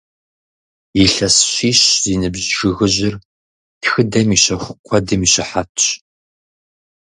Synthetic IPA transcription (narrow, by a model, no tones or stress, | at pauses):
jiɬɐsɕʷiːɕziːnɨbʑʒɨɣɨʑɪr | txɨdɐmiɕɐxʷqʷʰɔdɨmiːɕɐħatʰɕ